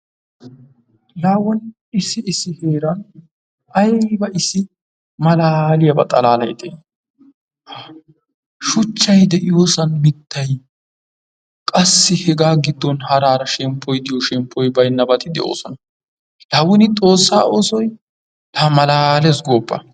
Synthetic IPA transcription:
laːwɔn | ɪsɪɪsɪheːɾɐn | ɐjbɐɪsɪ | mɐlaːlɪjɐbɐ̰t̪ʼɐlaːlɐjt̪ḛːn | ʃʊt͡ʃːɐjd̪ɛʔɪjoːsɐnmɪt̪ːɐj | kʼɐsːɪhɛɡaːɡɪd̪ːɔnhɐɾaːɾɐʃɛmpʰːɔjd̪ɪjɔʃɛmpʰːɔjbɐjnːɐbɐt̪ʰɪd̪ɛ̰ʔo̞̰ːsɔnɐ | laːwɔnɪt̪ʼo̞ːsːaːoːsɔj | t̪ɐmɐlaːlesɡoːpːɐ̰

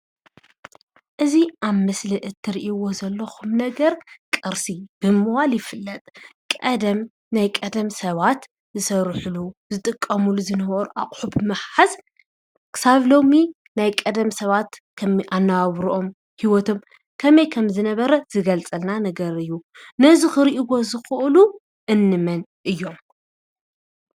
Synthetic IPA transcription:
ʔɨziʔaβmɐslɨʔɨt̪ʰːɨɾiʔiwo̞zɐlːɐxumnɐɡɐɾkʼɐɾsib̥ɨmɨwaljɪfɨlːɐt̪ʼkʼɐd̪ɐm | najkʼɐd̪ɐmsɐβat̪ | zɨsɐɾħuluzɨt̪ʼɨkʼːɐmuluzɨnɐβɐɾuʔaχʼħubɨmɐħħaz | kʰɨ̥saβlo̞mi | najkʼɐd̪ɐmsɐβat̪kʰɐmʔanːawaβɾuʔo̞m | hiwɔt̪ʰo̞m | kʰɐmɐjkʰɐmzɨnɐβɐɾɐz̥ɨɡɐlt͡sʼɐlnanɐɡɐɾɨjːu | nɐzixɨɾiʔiɡo̞zɨxɨʔlu | ʔɨnːɨmɐnʔɨjːo̞m

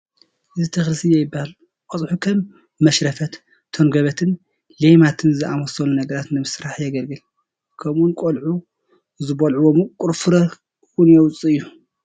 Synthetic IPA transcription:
ʔɨzit̪ʰɐxlɨsɨjɛjɪbːahal | kʼɔt͡sʼħukʰɐmː | ɐʃɾɐfɐt̪ | t̪ʰonɡɐβɐt̪ʰɨn | lejmat̪ʰɨnzɨʔamɐsɐlunɐɡɐɾat̪nɨmɨsɾaħjɐɡɐlɡɨl | kʰɐmʔunkʼolʕu | zɨbɐlʕuwomukʼʊɾfɨɾɐ | wunjɛwʊt͡sʼiɨjːu

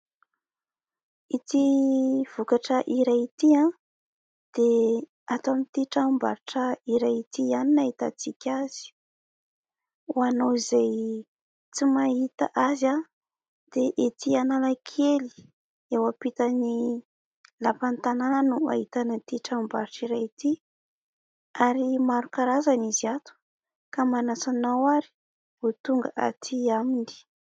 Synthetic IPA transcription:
it̪iv̥ukaʈ͡ʂəʔiɾajit̪ia | d̪̥e | at̪amit̪iʈ͡ʂamba̰ɾiʈ͡ʂəiɾajit̪ianinaɦit̪a̰t͡sikʲaz̥i̥ | uanowizaj | t͡simaɦit̪a̰ʔaza | d̪̥eʔet̪ʰianalakʰeli̥ | ewapit̪əni | lapant̪anannuaɦit̪anat̪iʈ͡ʂambaɾiʈ͡ʂiɾait̪i | aɾimaɾukaɾazaniziat̪u̥ | kamanasanawaɾi̥ | vut̪uŋɡəʔa̰t̪ʰiamini̥

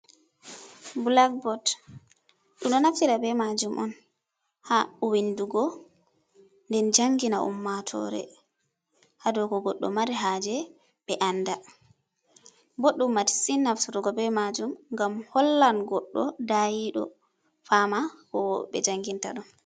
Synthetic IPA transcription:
bulak̚bɔt | ɗumɗɔnaftiɾabɛmad͡ʒumʔɔ̰n | haɔwinduɡɔ | ndɛnd͡ʒaŋɡina̰ʔṵmːatʰɔ̰ɾɛ̰ | hadɔɡɔɡɔɗːɔ̰maɾiɦad͡ʒɛ | ɓɛʔanːda | boɗːumːaɾisinːafsuɾuɡɔbɛmad͡ʒumŋɡamhɔlːanɡɔɗːɔdajiɗɔ̰ | famakɔbɛ̰d͡ʒaŋɡinta̰ɗɔn

